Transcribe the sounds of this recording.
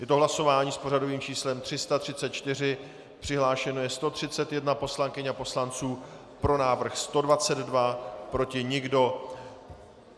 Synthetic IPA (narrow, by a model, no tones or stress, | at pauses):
jɛt̪oɦlaso̞vaːɲiːspo̞ɾado̞viːmt͡ʃiːslɛmt̪r̝̥ɪst̪at̪r̥ɪtt͡sɛt̪̚t͡ʃt̪ɪr̝ɪ | pr̝̥ɪɦlaːʃɛno̞jɛst̪o̞t̪r̝̥ɪtt͡sɛt̪jɛdnapo̞slaŋkɪɲapo̞slant͡suː | pɾo̞naːvr̩xst̪o̞dvat͡sɛd̪dvapɾo̞cɪɲɪɡdo̞